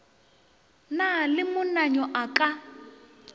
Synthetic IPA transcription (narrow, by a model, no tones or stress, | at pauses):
nalɪmʊnaɲɔʔakʼa